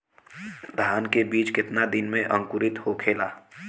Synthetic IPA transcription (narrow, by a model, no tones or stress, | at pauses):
d̪ʱaːnkebiːt͡ʃkɪt̪nad̪ɪnmẽʔə̃ŋkʊɾɪt̪hokʰeːlaː